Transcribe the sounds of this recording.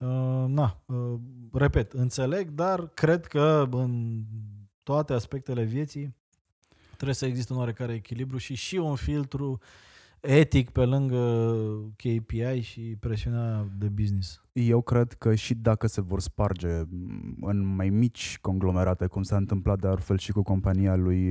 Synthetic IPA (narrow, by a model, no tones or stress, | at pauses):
ənaəre̞pe̞t̪ɨnt̪se̞le̞ɡd̪arkɾe̞d̪kəɨn | t̪oat̪e̞aspe̞k̚t̪e̞le̞vje̞t̪sij | t̪ɾebjesəeɡzist̪eunwaɾe̞kaɾe̞ːkʲilibɾjuʃiʃiunfilt̪ɾu | e̞t̪ikpe̞lɨŋɡə | kʲejpiajʃipɾe̞sionad̪e̞biznis | je̞wkɾe̞d̪kəʃid̪akəse̞vo̞rspard͡ʒe̞ | ɨnmajmit͡ʃʲko̞ŋɡlo̞me̞ɾat̪e̞kumsaɨnt̪ɨmplat̪̚d̪ealfe̞lʃikuko̞mpanialuj